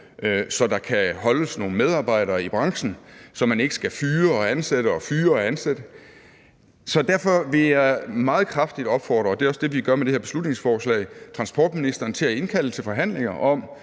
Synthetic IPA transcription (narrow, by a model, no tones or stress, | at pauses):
sɒ̽d̥ɑ̈kʰæhɒ̽ləsno̝ːn̩með̞ˠɑ̈ːb̥ɑ̈ɪ̰ɾ̥ɐːib̥ʁɑ̈ŋɕn̩sɒ̽mæne̝ɡ̥ə̥sɡ̥æfyːɐɒ̽ænseɾ̥əɒ̽fyːɐɒ̽ænsed̥ə | sɒ̽d̥æɐfɒ̽ʋe̝jɑmɑ̈ːð̞̩ˠkʰʁɑ̈fd̥id̥ɒ̽b̥fɒ̰ːd̥ʁɐːd̥e̝æɒ̽sd̥e̝ʋiɡ̥ɶɐmed̥e̝heɐb̥̝slud̥ne̝ŋsfɒːslɛ̰ɪt͡sʰʁɑ̈nsb̥ɒ̰ːd̥minisd̥ɐːn̩t͡sʰe̝læe̝nkʰæl̰ət͡sʰe̝lfɒ̽ɦæn̰le̝ŋɐʔɒ̽m